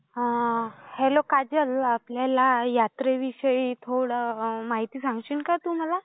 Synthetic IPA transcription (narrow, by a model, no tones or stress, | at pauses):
hɛlokad͡ʑəlapljalajat̪ɾeʋiɕəit̪ʰoɽəmaɦit̪iːsãŋɡɕəɳkat̪um̤ala